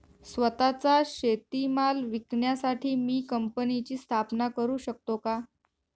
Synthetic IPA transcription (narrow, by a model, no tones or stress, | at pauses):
sʋət̪at͡saɕet̪imalʋikɳjasaʈʰiːmiːkəmpənit͡ɕiːst̪ʰapnakəɾuːɕək̚t̪oka